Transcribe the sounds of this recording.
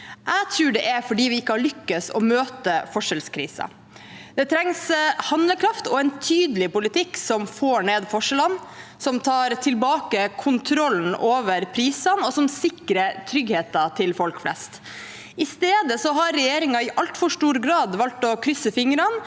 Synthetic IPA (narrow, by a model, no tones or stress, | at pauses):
ʔæɡt̪ʰɾʉːɖɛʔɛfɔɖiːʋɪɪkːəhɑɭʏkːɑsɔ̰møːt̪əfɔʂɛlskʰɾḭːsɑ̰ | d̪ɛt̪ʰɾɛŋshɑnləkʰɾɑft̪ɔɛnt̪ʰyːd̪əlɪpʊlɪt̪ʰɪkːsɔmfoːɳeːd̪fɔʂəlɑnsɔmt̪ʰɑːɾt̪ʰɪlbɑːkəkʰʊnt̪ʰɾɔln̩oːʋəɾpʰɾiːsɑnɔsɔmsɪkɾət̪ʰɾʏɡheːt̪ɑt̪ʰɪlfɔlkflɛ̰st̪ | ɪst̪eːd̪əsɔɦɑɾːɛjeːɾɪŋɑɪʔɑlt̪fɔʂʈuːɾɡɾɑːd̪ʋɑlt̪ɔkʰɾʏsːəfɪŋɾɑn